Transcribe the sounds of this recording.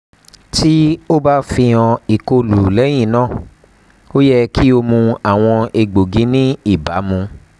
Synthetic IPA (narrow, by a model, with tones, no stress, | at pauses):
ti˦o˦ba˦fĩ˧ɔ̃˧i˨ko˧lu˨lɛ˨˦j̃ĩ˦˨nãː˦˨ | o˦jɛ˦˧kʰi˦o˧mũ˧a˨w̃ɔ̃˧e˧ɡ͡bo˨ɡĩ˨˦nĩ˦i˦˨ba˨˦mũ˧